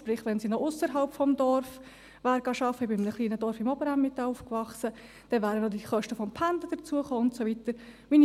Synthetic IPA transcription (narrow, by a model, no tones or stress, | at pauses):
ʃpɾɪχʋɛnsinoʔʊsəɾɦɑlpfɔmdɔɾf | ʋæːɾɡ̥ɑʃɑfəbɪɪmnəχliːnəd̥ɔɾfɪmɔbəɾamːɪtːɑːuːfkvɑχsə | d̥ɛʋæːɾəndod̪iχœʃtəfɔmpʰænd̪əd̥̪ət͡suəχoːʊntsoʋit̪əɾmin